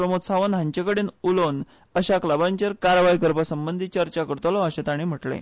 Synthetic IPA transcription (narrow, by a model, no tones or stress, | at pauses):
ɾəmot̪saʋənɦãɲt͡ɕekəɽeːnulon | əɕaklabaɲt͡ɕəɾkaɾʋajkəɾpəsəmbənd̪ʱit͡ɕəɾt͡ɕakəɾt̪ɔlɔəɕet̪aɽ̃im̤əʈlḛ